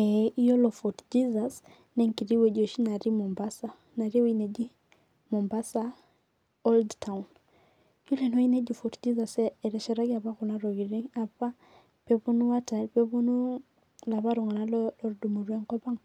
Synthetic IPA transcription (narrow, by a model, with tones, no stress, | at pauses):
ɛi˦jɔ˦lɔ˨fɔtd͡ʒi˦zas | nɛ˦ŋki˨ɾi˦wɛ˨d͡ʒɔ˨ʃi˦na˨ɾimɔ˨mbasa˨ | na˨ɾi˦winɛ˨d͡ʒi˦ | mɔ˨mba˦sa˦ | ɔldtʰawn | ju˦lɛ˨nɔ˦i˦nɛ˦d͡ʒifɔtd͡ʒi˦zasɛɛɾɛ˨ʃɛ˨ɾa˦ɡa˨βa˦ku˨na˦ɾɔ˨ɣi˨ɾi˦ŋa˨pa˦ | pɛpu˦nu˦wa˦ta˨pɛβu˦nu˦ | la˨βa˦ɾu˨ŋa˨na˦lɔlɔɾdumu˨ɾwɛ˦ŋkɔ˦ba˦ŋ